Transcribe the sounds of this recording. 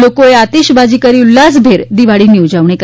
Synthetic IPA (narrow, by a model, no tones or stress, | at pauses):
lokoeat̪iɕbad͡ʑiːkəɾilːasbʱeɾd̪iʋaɭiːniʋd͡ʑaʋɳek